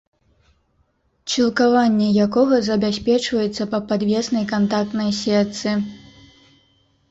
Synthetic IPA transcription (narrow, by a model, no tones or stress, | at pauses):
t͡ʃilˠkavanʲːɛjakɔɣɐzɐbʲasʲpʲɛt͡ʂvɐjɛt̪sːɐpɐpad̪vʲɛsnɐjkant̪ak̚t̪nɐjsʲɛt̪sɨ